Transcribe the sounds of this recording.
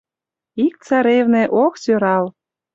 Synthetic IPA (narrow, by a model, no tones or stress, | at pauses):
ik̚t͡sɑɾevnĕʔoksøɾɑl